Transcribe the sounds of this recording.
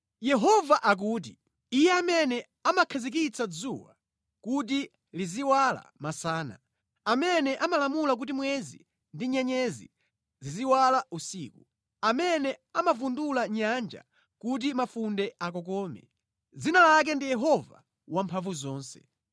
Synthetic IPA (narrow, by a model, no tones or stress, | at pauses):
jɛɦɔvaʔak̬uːt̬i | ijɛamɛnɛ | amakʰazik̬it͡sad͡zuwa̰ | kut̬i | liziwala̰masaːna̰ | amɛnɛʔamalamulak̬ut̬imwɛzḭ | ndiɲɛɲɛzḭ | ziziwalausiːku | amɛnɛamavundulaɲand͡ʒa̰ | kut̬imafundɛak̬ɔkɔːmɛ̰ | d͡zinalak̬ɛndijɛɦɔva̰ | wampʰaɱvuzɔːnsɛ̥̰